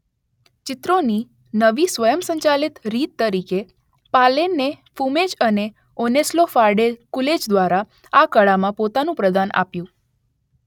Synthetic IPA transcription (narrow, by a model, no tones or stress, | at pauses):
t͡ʃɪt̪ɾoni | nəʋisʋəjəmsə̃ɲt͡ʃalit̪ɾit̪ːəɾike | palenːefumed͡ʒəne | oneslofaɾɖekuled͡ʒd̪ʋaɾa | akəɭamãpot̪anũpɾəd̪anʔa̰pjũ